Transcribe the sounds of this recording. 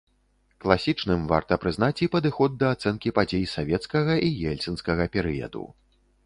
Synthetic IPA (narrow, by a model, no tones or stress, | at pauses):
klˠasʲit͡ʂnɨmva̰rt̪ɐpɾɨznat͡sʲipɐd̪ɨxɔd̪̚ːɐːt̪sɛnkʲipad͡zʲejsavʲɛt̪skɐɣɐʔijɛlʲt̪sɨnskɐɣɐpʲɛɾɨjɐ̰d̪ṵ